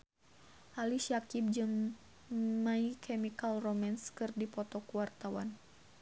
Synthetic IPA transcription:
ʔaliʃiakib̚d͡ʒɨŋ | maikʰɛmikalromanskɨrdipɔt̪ɔkuwart̪awan

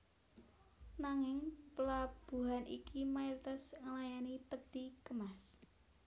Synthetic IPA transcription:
naŋɪŋpəlab̥ṳɦanʔḭkʰimajuɾit̪asŋəlajanipəd̪̥ikəmas

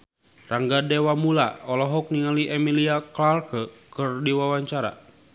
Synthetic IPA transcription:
raŋɡadɛwamula̰ɔlɔɦɔk̚niŋaliʔɛmiliaklarkəkɨrdiwawaɲt͡ʃaɾa̰

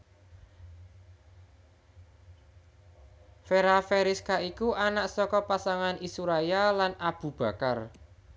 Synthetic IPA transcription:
feɾafeɾiskaikuʔanaʔsɔkɔpasaŋanisuɾajalanab̥ṳb̥ä̤kar

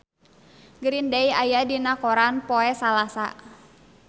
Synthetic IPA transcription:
ɡəɾindajajadinakɔɾanpɔɛsalasa̰

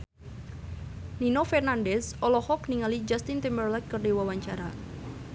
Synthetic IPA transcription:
ninofɛrnandɛsɔlɔhɔkniŋalid͡ʒast̪int̪imbərlɛk̪̚kːərdiwawaɲt͡ʃaɾa

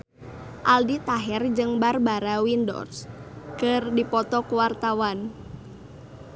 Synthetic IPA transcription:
ʔaldit̪aɦɛrd͡ʒɨŋbarbaɾawindɔ̰rskɨrdipɔt̪ɔkuwart̪awan

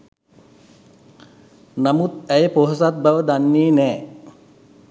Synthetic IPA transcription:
namut̪æjəpoɦos̬at̪̚baʋəd̪anːiːnɛː

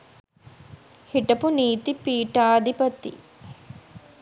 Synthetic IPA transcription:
hiʈɐpuniːt̪ipiːʈaːd̪ʱipɐt̪ḭ

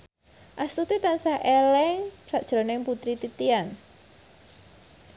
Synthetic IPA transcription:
ʔast̪ut̪it̪ansahʔelɛŋsaʔd̥ʒ̥ɾɔ̤nɪŋput̪ɾit̪it̪ian

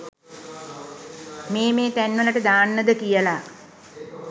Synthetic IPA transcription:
meːmeːt̪ænʋələʈəd̪aːnːəd̪əkijəla

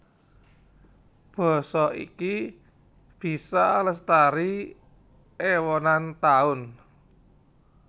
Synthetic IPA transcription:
b̥ɔ̤sɔʔḭki | b̥i̤saləst̪aɾi | ewɔnant̪aʊn

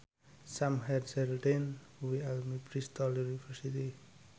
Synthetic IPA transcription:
samɦedselden | wialmipɾist̪ɔljunifʰɛɾsit̪i

